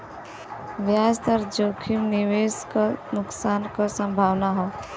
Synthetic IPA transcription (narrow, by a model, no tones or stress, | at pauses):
ʋjaːst̪əɾd͡ʒoːkʰimniʋeːskanʊksaːnkasə̃mbʱaːʋnaɦoː